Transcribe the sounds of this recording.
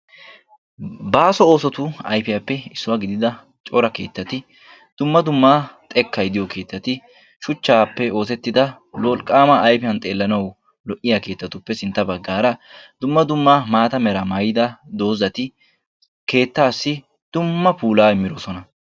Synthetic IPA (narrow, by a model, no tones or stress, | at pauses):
baːsɔo̞ːsɔt̪ʊɐjfɪjapːɛɪsːʊwaːɡɪd̪ɪd̪ɐ | t͡ʃʼɔɾɐkeːt̪ːɐt̪ɪ | d̪̥ʊmːɐd̪ʊmːaːt̪ʼɛkʰːɐjd̪ɪjɔkʰe̞ːt̪ːɐt̪ɪ | ʃʊt͡ʃːaːpːɛo̞ːsɛt̪ːɪd̪ɐ | lɔlkʼːaːmɐʔːjpɪjɐnt̪ʼe̞ːlːɐnɐw | lɔʔɪjake̞ːt̪ːɐt̪ʊpːɛsɪnt̪ːɐbɐɡːaːɾɐd̪ʊmːɐd̪ʊmːaːmaːt̪ɐmɛɾɐmaːjɪd̪ɐd̪o̞ːzɐt̪ɪ | ke̞ːt̪ːaːsːɪ | d̪̥ʊmːɐpuːlaːɪmːɪɾɔsɔnɐ